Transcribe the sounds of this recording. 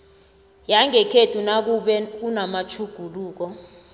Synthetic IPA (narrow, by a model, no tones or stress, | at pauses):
jaŋɛkʰetʰunak̬uɓɛk̬unamat͡ʃʰuɡ̥ʱuluːk̬ɔ